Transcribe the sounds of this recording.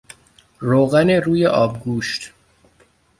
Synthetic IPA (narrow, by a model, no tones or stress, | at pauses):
ɾoːɣæneɾuːje̞ʔɒːbɡuːʃt̪